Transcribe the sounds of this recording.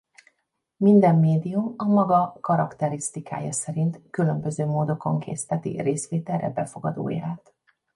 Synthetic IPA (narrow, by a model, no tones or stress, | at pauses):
mind̪ɛmːeːd̪ijumɒmɒɡɒkɒɾɒkt̪ɛɾist̪ika̰ːjɒsɛɾint̪kylø̞mbø̞zøːmoːd̪o̞ko̞ŋkʰḛːst̪ɛt̪ḭreːsʋeːt̪ɛlrːɛ̰bɛfo̞ɡɒd̪o̰ːjaːt̪